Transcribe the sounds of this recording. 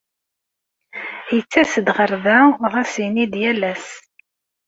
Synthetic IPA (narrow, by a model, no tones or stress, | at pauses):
jət͡sːæsd̪ʁəɾðæʁæsinid̪jælæs